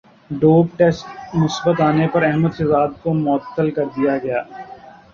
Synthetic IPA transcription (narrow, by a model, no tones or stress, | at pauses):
ɖoːb̚ʈeːsʈnʊsbət̪aːnepɐɾɛɦməd̪sɐzaːd̪̚komʊət̪ːəlkɐɾd̪ijaɡɐjaː